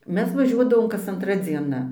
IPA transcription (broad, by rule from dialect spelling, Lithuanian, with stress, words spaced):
ˈmʲɛs ʋɐˈʒʲuɔdɐʋoːm kɐs ɐnˈtrɐ d͡zʲiɛˈnɐ